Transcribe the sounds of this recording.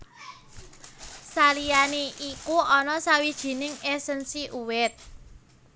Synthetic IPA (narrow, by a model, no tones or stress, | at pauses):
salijaneʔikuɔnɔsawid̥ʒ̥i̤nɪŋɛsənsiʔuwɪt̪̚